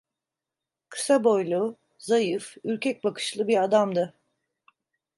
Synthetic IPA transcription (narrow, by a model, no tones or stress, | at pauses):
kʰɯ̥sabo̞jlˠu | zajɯfyɾcʰɛc̚ʲbakʰɯ̥ʃlˠɯbiɾad̪amd̪ɯ